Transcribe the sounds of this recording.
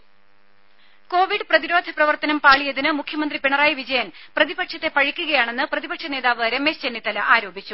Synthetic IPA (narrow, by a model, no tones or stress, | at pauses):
ko̞ːʋiɖɨprɐðiɾo̞ːd̪ʱɐprɐʋɐrt̪ɐnɐmpaːɭijɐðinɨmukʰjɐmɐnd̪ripeɳɐraːjiʋid͡ʑɐjɐnprɐðibɐkʂɐt̪ːe̞pɐɻikʲːuɣɐjaːɳe̞nːɨprɐðibɐkʂɐne̞ːðaːʋɐːɾɐmeːst͡ɕenːit̪ːɐlɐʔaːɾo̞ːbit͡ɕːu